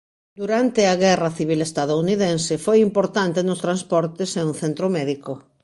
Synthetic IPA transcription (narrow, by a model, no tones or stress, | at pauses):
d̪uɾant̪eaɣɛrɐθiβ̞ilest̪aðouniðẽnsefojimpoɾt̪ant̪enʊst̪ɾanspɔɾt̪eseunθent̪ɾomɛðiko